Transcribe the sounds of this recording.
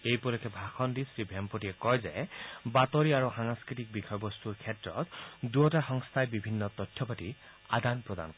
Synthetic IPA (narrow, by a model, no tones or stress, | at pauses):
ejpɔlɔkʰɛbʱaxɔndisɹibʱɛmpotijɛkɔjzɛbatɔɹiaɹuxaŋskɹit̪ik̚bikʰɔjbɔst̪uɹkʰɛtɹɔ̰tduɔtaxɔŋst̪ʰajbibʱinːɔt̪ɔtʰːjɔpati | ad̪anpɹɔd̪a̰nkɔ